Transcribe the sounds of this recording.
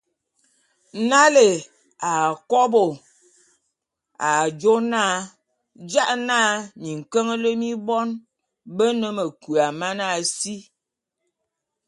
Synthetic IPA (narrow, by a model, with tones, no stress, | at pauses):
na˦le˨ | a˨kɔ˦bo˨ | a˨d͡ʒo˦naː˦ | d͡ʒa˦ʔnaː˦ɲi˨ŋ̩˨kə˦ŋə˦lə˦mi˦bɔ˦n | bə˦nə˦mə˨ku˨a˨ma˦na˦˨si˦